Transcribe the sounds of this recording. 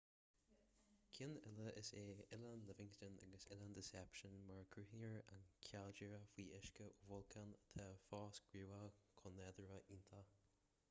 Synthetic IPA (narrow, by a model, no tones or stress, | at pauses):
kʰɪnɪləʔɪseːɪlanlɪvɪŋst̪əna̰ɡəsɪland̪ɪsɛpʃənmaɹkʰɹuhɪŋəɹa̰nkʲʰald͡ʒəɹəfwiːʔɪʃkəʔuvʊlkʰant̪ʰafɑːsɡ̥ɹuːakʰɔnɛd̪əɹəʔint̪ʰa